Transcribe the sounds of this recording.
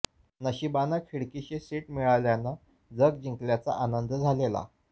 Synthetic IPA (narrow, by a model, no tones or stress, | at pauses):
nəɕibanakʰiɽkiɕesiʈmiɭaljanːa | d͡zəɡ̚d͡ʑiŋkljat͡sa̰ʔanənd̪d͡zʱalela̰